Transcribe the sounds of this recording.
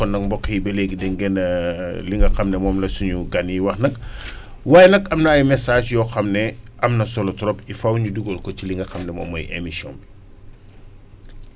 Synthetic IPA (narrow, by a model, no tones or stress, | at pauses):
ɔnɐk̚mbɔkːibɐleɡidɛŋɡɛnɐliŋɡɐxɐmnɛmɔːmlɐsuɲuɡɐniwɐxnɐk | waːjɛnɐkɐmnaːjumɛsaːd͡ʒjɔxɐmnɛʔɐmnɐsɔlɔtɾɔpifɐwɲuduɡɔlkɔt͡ʃiliŋɡɐxɐmnɛmɔ̰ːmːɐ̰jḛmisɔ̰ːmbi